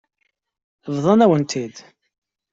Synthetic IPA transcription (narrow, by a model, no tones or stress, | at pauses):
vðˤɑnæwənt̪ʰid̪